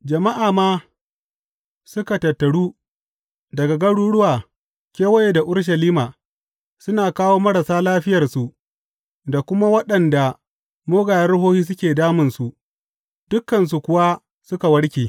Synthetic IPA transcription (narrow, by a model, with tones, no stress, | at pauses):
d͡ʒɐ˨ma˦ʔaː˨maː˦ | sʊ˦ka˨tɐ˨tːɐ˨ɽuː˦ | dɐ˨ɡa˨ɡɐ˦ɽuː˦ɽʊ˦waː˨ | kʲeː˦wɐ˦je˨da˨ʔʊ˦ɽʃ̬ɐ˨liː˦maː˨ | sʊ˦naː˨kaː˦woː˦mɐ˦ɾa˨saː˦laː˦ɸɪ˦jɐ˨rsu˨ʔ | da˨kʷʊ˦ma˦wɐ˦ɗɐ˨nda˨ | moː˦ɡaː˨jɐ˦ɽʊ˦ɦoː˦hiː˦s̬ʊ˦kʲeː˨daː˦mɪ˨nsu˨ | d̥ʊ˦kːɐ˨ns̬u˨kʷʊ˨wa˦ | sʊ˦ka˨wɐ˦ɽkʲeː˨